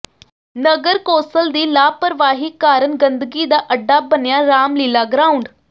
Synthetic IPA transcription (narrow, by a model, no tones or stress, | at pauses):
nəɡəɾkoːsəld̪iːlaːpəɾʋaːɦiːkaːɾənɡənd̪əɡiːd̪aːʔəɖːaːbənjaːɾaːmliːlaːɡɾaːʊɳɖ